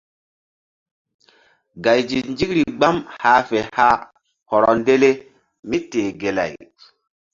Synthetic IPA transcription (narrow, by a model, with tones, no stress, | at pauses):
ɡa˨jd͡ʒi˨nd͡ʒi˦kɾi˨ɡ͡ba˦mhaː˦fe˨ha˦ | hɔ˨ɾɔ˨nde˦le˦ | mi˦teː˨ɡe˨la̰˨j